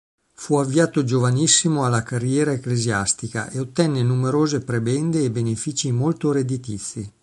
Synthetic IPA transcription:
fuavːiaːt̪od͡ʒovanisːimoalːakarːjɛːɾaekleziast̪ika̰ʔeot̪ːɛnːenumeɾoːzepɾebɛnd̪eːbenefiːt͡ʃimolt̪oɾed̪it̪it̪sːi

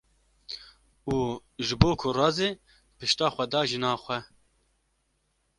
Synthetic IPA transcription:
uːʒɨboːkʰʊrɑːzeː | pɨʃt̪ɑːxʷɛd̪ɑːʒɪnɑːxʷɛ

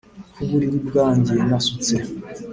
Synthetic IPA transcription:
kʰuβuɾiɾibɡaːɲɟenasut͡se

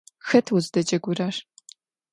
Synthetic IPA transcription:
xɐtʰwʊzdɐd͡ʒɐɡʷʊraːʂ

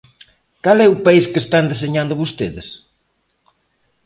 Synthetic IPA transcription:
kalɛupaiskest̪and̪es̬eɲand̪ʊβust̪eðɪs

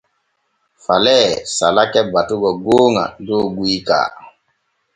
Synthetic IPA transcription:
falɛːsalakɛbatuɡɔɡoːŋã̰doːɡuika̰ː

